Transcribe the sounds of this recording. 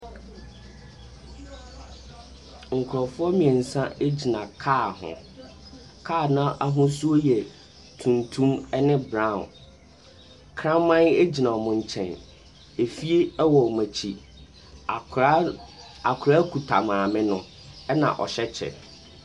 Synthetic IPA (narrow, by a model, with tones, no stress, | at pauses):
ŋ̩˨kʰʊ˨ɾɔ˨fʊ˦ɔ˦mĩ˨ɛ˨n̩˨sã˦e˦d͡ʑi˨nã˨kʰaː˦˨hʊ̰̃˨ | kʰaː˦˨nã˦ʔa˦ɦʊ̃˦su˦o˦jɛ˨ | tʰũ˨ntʰũ˦mɛ˦nɪ̃˦bɾã˦˨ | kʰɾã˦m˦mã˦ne˦d͡ʑi˨nã˨ɔ˨mʊ̃˨ɲ˨t͡ɕʰɛ̰̃˨n | e˨fi˦e˦ɛ˦wɔ˨mã˨t͡ɕʰi˦˨˦ | a˨kʰʊ˨ɾa˦kʰu˨tʰa˨mãː˨mɪ̃˦nʊ̃˦ | ɛ˦nã̰˨ʔɔ̰˨ɕɛ˦t͡ɕʰɛ̰˨